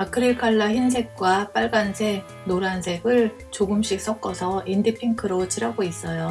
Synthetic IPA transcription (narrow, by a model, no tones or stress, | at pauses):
akʰɯɾikʰaɭːaçins̬ʰe̞k̚k͈wap͈aɭɡansʰe | noɾansʰe̞ɡɯɭ | t͡ɕoɡɯmɕ͈ik̚s͈ʌk̚k͈ʌsʰʌindipʰiŋkʰɯɾot͡ɕiɾaɡois͈ʌjo